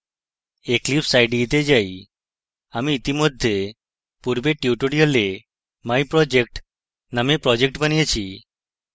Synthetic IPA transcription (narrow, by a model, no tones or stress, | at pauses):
eklipsajɖiːt̪ed͡ʒaj | amiːt̪imod̪ʱːje | puɾbeʈjuʈuɽiole | majpɾɔd͡ʒek̚ʈ | namepɾɔd͡ʒek̚ʈbaniet͡ʃʰi